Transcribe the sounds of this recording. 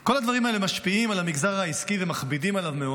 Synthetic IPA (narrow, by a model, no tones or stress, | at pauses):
ko̞lad̪vaʁimaele̞maʃpiimalamiɡzaʁaiskivemaχbidimalavmeo